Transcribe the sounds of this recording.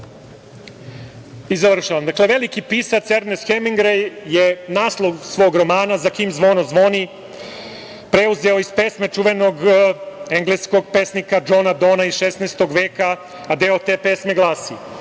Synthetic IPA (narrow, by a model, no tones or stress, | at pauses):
izaʋr̩ʃaʋamd̪akle̞ʋe̞likipisat̪eɾnesxemiŋɡɾejjenaːslˠowsʋo̞ːɡɾo̞maːnazakiːmzʋo̞ːnozʋo̞ni | pɾe̞uzeoispeːsme̞t͡ʂuʋeno̞ɡ | eŋɡlesko̞ɡpesnikad͡ʒoːnad̪oːnaisʃesneːst̪o̞ɡʋeːkaː | d̪eot̪eːpe̞ːsme̞ɡlˠaːsi